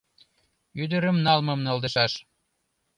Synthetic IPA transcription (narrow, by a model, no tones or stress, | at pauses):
yd̪ə̆ɾə̆mnɑlmɤ̆mnɤ̆ld̪eʃɑʃ